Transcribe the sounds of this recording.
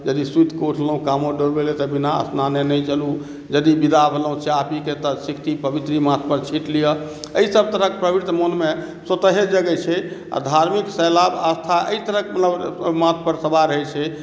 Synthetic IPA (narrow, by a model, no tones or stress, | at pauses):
d͡ʒəd̪isut̪ʰkoʈʰləɦũkamoɖoɾbelet̪ɔbinaə̰snanenəjt͡ʃəlu | d͡ʒəd̪ibid̪abʱeləɦũt͡ʃʰɛapiket̪ɔsikʰt̪ipəbit̪ɾimat̪̚ʰpəɾt͡ʃʰiʈlijəəisəb̚t̪əɾəkepɾəbɾit̪ʰmənme | sət̪əɦed͡ʒəɡɛt͡ʃʰɛa̰d̪ʱaɾmiksəlabəst̪ʰaʔə̰it̪əɾəkemət̪ləbmãt̪̚ʰpəɾsəbaɾəɦɛt͡ʃʰɛ